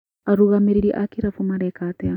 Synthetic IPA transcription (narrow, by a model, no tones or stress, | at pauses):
aɾuɣameɾiɾiʔakiɾafumaɾɛkatɛa